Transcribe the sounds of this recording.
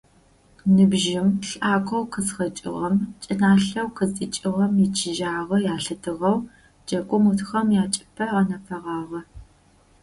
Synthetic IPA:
nɨbʒɪmɬʔaːkʷʰʼɐwqəzxɐt͡ʃʼɪ̰ʁɐmt͡ʃʼɪnaːɬɐwqəzʼit͡ʃʼɪʁɐmit͡ʃʰɪʒaːʁɐjaːɬɨtʰɨʁɐw | d͡ʒɐkʷʼʊmutʰxɐmjaːt͡ʃʼɪ̥pʰɐʁɐnɐfʰɐʁɑːʁɐ

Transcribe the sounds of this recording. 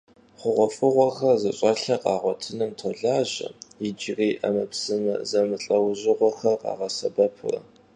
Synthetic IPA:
χʷʊʁʷɔfɨʁʷɔxɐrzɐɕʼɐɬɐqʼɑːʁʷɔtʰɨnɐmtʰɔɮaːʑɐ̰jɪd͡ʒɪriːʔɐmɐpsɨmɐ̰zɐmɨɬʼɐwʑɪʁʷɔxɐrqʼɑ̰ːʁɐsɐbɐpʰʊ̰rɐ̰

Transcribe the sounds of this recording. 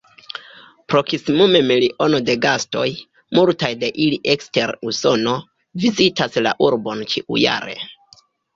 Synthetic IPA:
pɾo̞kisimume̞miliʔo̞no̞de̞ɡasto̞̰j | multajde̞ʔiliʔekste̞ɾuso̞no̞ | vizitasla̰ʔuɾbo̞nt͡ʃiʔṵja̰ɾe̞̰

